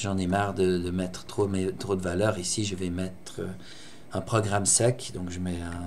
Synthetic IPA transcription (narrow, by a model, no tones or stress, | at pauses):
ʒɑ̃nɛmaʁd̪əd̪əmɛt̪χə̥t̪χomɛt̪χod̪əvalœːʁisiʒəvɛmɛt̪χə | ɛ̃pχɔɡʁamsɛkd̪ɔ̃kʒəmɛɛ̃